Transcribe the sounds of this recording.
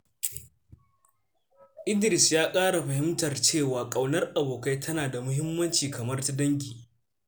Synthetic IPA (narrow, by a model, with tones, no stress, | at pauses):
ʔɪ˦ndɪ˨ɾɪ˨sjaː˦kʼaː˦ɽa˨ɸɐ˨hɪ˦mtɐ˨rt͡ʃeː˦˨waː˨kʼɐ˨wnɐ˦rʔa˨boː˨ka˦jtʰɐ˦naː˨da˨mʊ˦ɦɪ˦mːɐ˦nt͡ʃiː˨kɐ˨mɐ˦rta˦dɐ˦ŋɡʲiː˨